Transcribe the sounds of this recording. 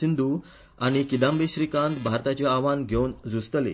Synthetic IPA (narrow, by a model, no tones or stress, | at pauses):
ind̪ʱu | aɽ̃ikid̪ãmbeɕɾikãnd̪bʱaɾt̪at͡ɕaaʋanɡʱewnd͡zust̪lḛ